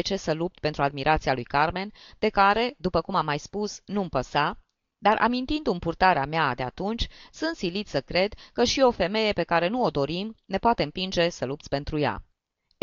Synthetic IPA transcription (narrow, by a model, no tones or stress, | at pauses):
et͡ʃe̞səlup̚t̪̚pent̪ɾuad̪̚miɾʔat̪sialujkarme̞nd̪̥e̞kaɾe̞d̪upəkumamːajspusnumpəsa | d̪arʔa̰mint̪ind̪ɨmpurt̪aɾea̰mead̪e̞a̰t̪unt͡ʃʲsɨnt̪silit̪ssəkɾe̞d̪kəʃio̞fe̞me̞je̞pe̞kaɾe̞nuod̪o̞ɾimne̞poat̪e̞ɨmpind͡ʒe̞səlup̪̚sʲpe̞nt̪ɾuja̰